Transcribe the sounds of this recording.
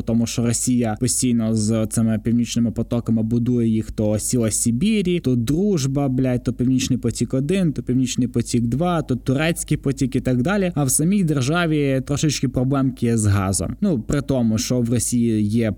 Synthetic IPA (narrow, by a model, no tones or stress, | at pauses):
t̪ɔmʊʃt͡ʃɔɾɔsʲijɐpɔsʲtʲijnɔzt̪sɪmɪpʲiwnʲit͡ʃnɪmɪpɔt̪ɔkɐmɪbʊd̪ujɛjixt̪ɔsʲilˠɐsʲibʲiɾʲit̪ɔd̪ɾuʒbɐblʲajt̪ɔpʲiwnʲit͡ʃnɪjpɔtʲikɔd̪ɪnt̪ɔpʲiwnʲit͡ʃnɪjpɔtʲiɡd̪ʋɑt̪ɔt̪ːʊɾɛt͡sʲkɪpɔtʲikit̪ɑɡd̪ɑlʲiɐwsɐmʲijd̪erʒɑʋʲit̪ɾɔʃɪt͡ʃkɪpɾɔblˠɛmkʲɪjɛzɦɑ̰zɔ̰mnupɾɪt̪ɔmʊʃt͡ʃɔʋrɔsʲijijɛ